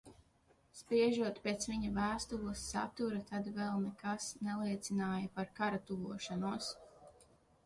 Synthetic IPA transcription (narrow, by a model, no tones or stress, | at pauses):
spɾiɛʒuɔt̪pet̪sʋiɲɐvæːst̪ulˠəsːa̰t̪uɾat̪ad̪vɛlˠnɛkasnɛlˠiɛt̪sinaːjɐpaɾkaɾat̪uvuɔʃanuɔs